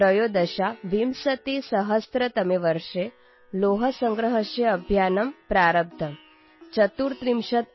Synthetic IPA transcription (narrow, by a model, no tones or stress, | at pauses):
ɾəjoːd̪ɐʃaʋimsɐt̪isɐɦɐst̪ɾɐt̪ɐmeʋəɾʂe | loːɦɐsəŋɡɾəɦəʃjeɐbʱjaːnɐmpɾaːɾəb̚d̪ʰʱɐm | t͡ʃɐt̪uːɾt̪ɾimʃɐt̪̚